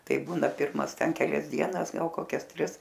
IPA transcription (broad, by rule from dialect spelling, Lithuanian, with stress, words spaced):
ˈtɐɪ ˈbuːnɐ ˈpʲɪrmɐs ˈtʲɛn kʲɛˈlʲɛs ˈdʲiɛnɐs ˈɡɐlˠ koːˈkʲɛs ˈtʲrʲɪs